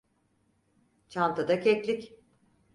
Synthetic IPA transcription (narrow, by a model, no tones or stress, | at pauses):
t͡ʃʰant̪ʰad̪acʰɛclʲic